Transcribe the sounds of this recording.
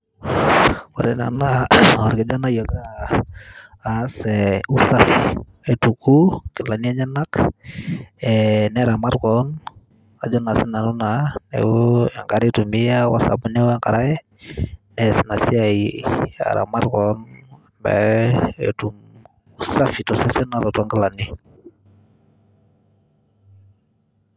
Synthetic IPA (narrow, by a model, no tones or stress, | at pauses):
waɾɛna̰nawaɾkad͡ʒanajɔɡa | sɛusaf | ɛtukukilaniaɲanak | ɛnɛɾamaɾkɔn | ad͡ʒɔnasɛnanunanɛ̰ja̰ŋkaɾitumijawasa̰bunɛwɔjaŋkaɾaɛ | nɛsinasiaia̰ɾa̰maɾkɔnmbɛ̰ɛ̰tum | usafitɔsesɛnaɾataŋɡalani